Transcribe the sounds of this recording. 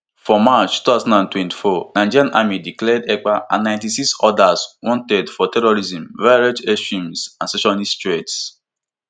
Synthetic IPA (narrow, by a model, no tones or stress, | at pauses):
fɔmat͡ʃutaʊzãndãntwɛ̃nti̥fɔnaɪd͡ʒiɾjãnʔamidiklɛdɛk͡paʔãnːãɪ̃ntisiksɔdaswɔ̃ntɛdfɔtɛɹɔɹizĩmvaɹed͡ʒeʃũmsãnsɛʃɔnistɹets